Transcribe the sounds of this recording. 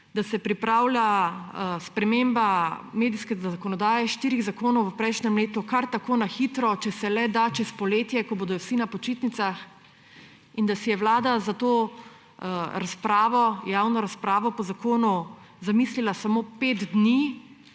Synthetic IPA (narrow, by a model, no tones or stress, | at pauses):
d̪asɛpɾipɾaːwlʲja | spɾɛmembameːd̪iskɛzaakɔnɔd̪aːjɛʃt̪iːɾiɣzakoːnɔwəpɾɛjʃnɛmleːt̪ukaɾt̪akoːnaxit̪ɾɔt͡ʃɛsɛlɛd̪at͡ʃɛspɔleːt̪jɛkɔboːd̪ɔwsinapɔt͡ʃiːt̪nit̪sax | ind̪asijɛwlaːd̪azat̪oː | ɾaspɾaːʋɔjaːwnɔɾaspɾaːʋɔpɔzakoːnu | zamiːslilasamopeːt̪d̪ni